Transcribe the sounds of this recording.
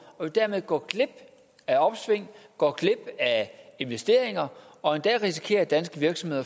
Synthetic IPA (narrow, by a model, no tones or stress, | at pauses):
ɒ̽d̥æɐmeðˠɡ̥ɒ̰ːɡ̥le̝b̥ | æɒ̽b̥sʋe̝ŋ̰ɡ̥ɒ̰ːɡ̥le̝b̥æe̝nʋesd̥e̝ɐ̰e̝ŋɐ | ɒ̽e̝nd̥ɛ̰ːʁisi̥kʰe̝̰ːɐd̥ænsɡ̥əʋiɐɡ̥sɒ̽mhe̝ðˠɐ